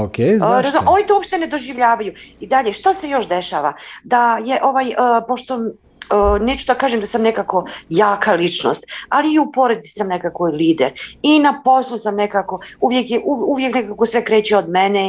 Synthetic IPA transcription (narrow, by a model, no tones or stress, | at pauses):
okeɾazumo̞nit̪ouopʃt̪e̞ne̞d̪o̞ʒiʋʎaːʋajuid̪aʎe̞ʃt̪ase̞jo̞ʃd̪e̞ʃaːʋad̪ajeʔo̞ʋajəpo̞ʃt̪o̞ | əne̞ːt͡ɕud̪akaːʒemd̪asamne̞kako̞jaːkalit͡ʃno̰st̪aliːupo̞ɾed̪t͡s̪i̥samne̞kako̞iliːd̪ḛɾinapo̞slˠusamnekako̞uʋje̞kjeʔuuʋje̞knekakosʋe̞kɾeːt͡ɕiod̪mene